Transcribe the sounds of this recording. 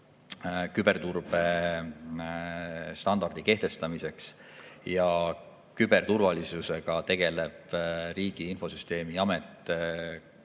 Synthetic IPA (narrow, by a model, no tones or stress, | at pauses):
kybe̞rt̪urb̥e̞ | st̪ɑnd̪̥ɑrd̪̥ike̞ht̪e̞st̪ɑmise̞ks | jɑ | kyb̥e̞rt̪urvɑlisuse̞ɡ̥ɑt̪e̞ɡ̥e̞leb̥ɾiːɡ̥iinfo̞syst̪e̞ːmiɑmet̪ːˑe